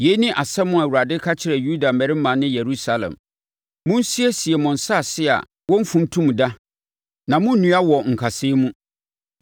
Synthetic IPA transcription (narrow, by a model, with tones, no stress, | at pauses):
je˦nĩ˦ʔa˨sɛ˦mʊ̃˦a˨wu˨ɾa˨dɪ˦kʰa˦t͡ɕʰɪ˨ɾɛ˨ju˦da˨mɛ˨ɾɪ˦mã˨˦nɪ̃˦je˨ɾu˦sa˦lɛ̰̃˨m | mʊ̃˦n˦si˦e˦si˨ɛ˨mʊ̃˨n̩˨sa˦˨sɪ˦a̰˨ | wɔ̃˦m̩˦fũ˦n˦tʰũ˦m˨da˦ | nã˨mʊ̃˦n̩˦nũ˨˦a˦wɔ˨ŋ̩˨kʰa˨seː˦mũ˦